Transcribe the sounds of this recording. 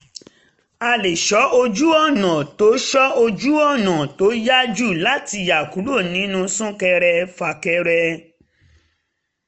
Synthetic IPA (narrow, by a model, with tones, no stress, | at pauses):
a˧le˨ʃɔ˨˦ʔo˧d͡ʒu˦ɔ˦˨nã˨to˨˦ʃɔ˦o˧d͡ʒu˦ɔ˦˨nã˨to˨˦ja˦d͡ʒu˦˨la˦ti˧ja˨ku˨˦ɾo˦˨nĩ˨˦nũ˧sũ˦kɛ˧ɾɛ˧fa˧kɛ˧ɾɛ˧